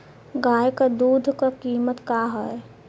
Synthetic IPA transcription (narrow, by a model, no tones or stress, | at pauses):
ɡaːjkad̪uːd̪ʱkakiːmət̪kaɦəe